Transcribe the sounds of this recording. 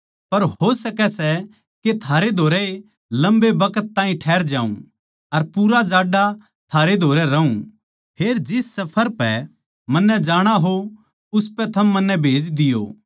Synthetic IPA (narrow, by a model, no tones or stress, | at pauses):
pɐɾɦosɐkɛsɛ | ket̪ʰaːɾed̪ʱoːɾɛe | lɐ̃mbebɐkət̪ːãːĩʈʰɛːɾd͡ʒãːṵ̃ | ɐɾpuːɾad͡ʒaːɖa | t̪ʰaːɾed̪ʱoːɾɛɾɐũ | pʰeːɾd͡ʒɪsːɐpʰəɾpɛ | mɐnːɛd͡ʒaːɽ̃aɦo | ʊspɛt̪ʰɐmːɐnːɛbʱeːd͡ʒd̪ɪjo̰ː